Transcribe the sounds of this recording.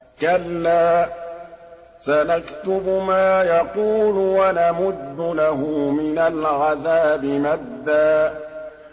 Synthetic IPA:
kalːaː | sanakt̪ʊbʊmaːjɑquːlʊwanamʊd̪ːʊlaɦʊmɪnalʕaðaːbɪmaðːaː

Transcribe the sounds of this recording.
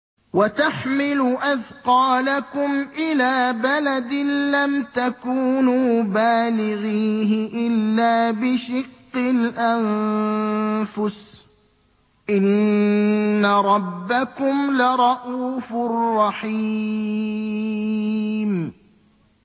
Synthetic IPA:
wat̪aħmɪlʊʔaðqɑːlakʊmʔɪlaːbalad̪ɪlamt̪akuːnuːbaːlɪɣiːɦɪʔɪlːaːbɪʃɪqːɪlʔan | fʊs | ʔɪnː | aɾˤɑbːakʊmlɪɾˤɑʔuːfʊrˤːɑħi | m

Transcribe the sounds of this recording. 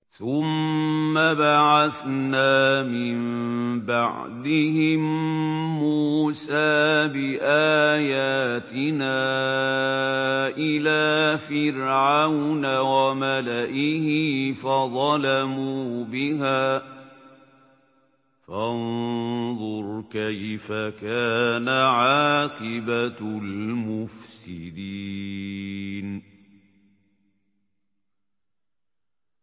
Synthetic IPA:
θʊmːabaʕaθnaːmɪmbaʕ | d̪ɪɦɪmː | uːsaːbɪʔaːjaːt̪ɪnaː | ʔɪlaːfɪɾʕawnawamalaʔɪhɪfaðˤɑlamuːbɪɦaː | fanðˤʊɾkajfakaːnaʕaːqɪbalmʊfsɪd̪iː | n

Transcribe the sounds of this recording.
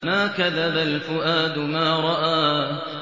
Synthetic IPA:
maːkaðabalfʊʔaːd̪ʊmaːɾˤɑʔaː

